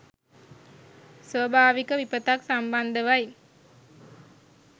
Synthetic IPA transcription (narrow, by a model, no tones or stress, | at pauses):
sʋəbʱaːʋikəʋipət̪aksamband̪əʋaj